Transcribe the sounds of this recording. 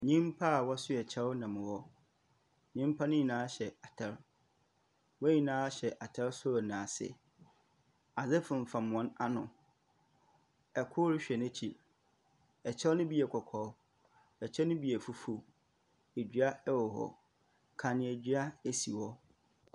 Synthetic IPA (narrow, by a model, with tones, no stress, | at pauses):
ɲĩ˦m˦pʰa˦˨wɔ˦sʊ˦ɛ˨t͡ɕʰɛ˦wnã˨m̃˨wɔ˦ | ɲĩ˦m˦pʰa˦nʊ̃˦ɲĩ˨nãː˨˦ɕɛ˨a˨tʰɛ˦ɾ | wɔ˦ɲĩ˨nãː˦a˦ɕɛ˨ʔa˨tʰɛ˦ɾsʊ˦˨nã˨sɪ̰˨ | a˨zɪ˦fʊ̃˨m̩˨fã˨m˨ɔ̃˦na˦nʊ̃˨ | ɛ˨kʰʊ˦ɾɪ˦ɕᶣɛ˨næ˦t͡ɕʰi˨ | ɛ˨t͡ɕʰɛ˦wnʊ̃˦bi˦ɛ˨kʰɔ˨kʰɔ˨˦ | ɛ˨t͡ɕʰɛ˦nʊ̃˦bi˨ɛ˨fu˦fu˦ | e˨d͡ʑɥa˦ɛ˦wɔ˨ɦɔ̰˨ | kʰã˨nɪ̃˨æ˨d͡ʑɥa˦e˨si˨wɔ˦